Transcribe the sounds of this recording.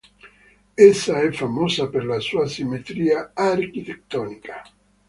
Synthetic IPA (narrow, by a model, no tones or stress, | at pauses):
esːaɛfːamoːsaperlasuːasimet̪ɾiːaarkit̪ek̚t̪ɔːnikʰḁ